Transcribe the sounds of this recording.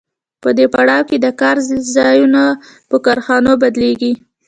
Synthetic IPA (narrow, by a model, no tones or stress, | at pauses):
pəd̪epaɽɑwked̪əkɑɾzɑjuna | pəkɑɾxɑnobad̪leɡi